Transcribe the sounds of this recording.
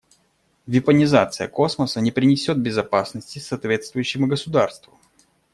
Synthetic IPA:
vʲɪpənʲɪzat̪sɨjəko̞sməsənʲɪpɾʲɪnʲɪsʲo̞d̪̚bʲɪzɐpasnəsʲtʲɪsɐːt̪vʲe̞t̪st̪vʊjʏɕːɪmʊɡəsʊd̪arst̪vʊ

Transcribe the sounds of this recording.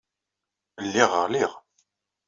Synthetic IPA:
lːiʁə̰ʁliʁ

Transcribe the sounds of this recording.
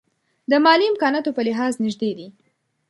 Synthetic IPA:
d̪əmɑliɪmkɑnɑt̪opəlɪɦɑznɪʒd̪ed̪i

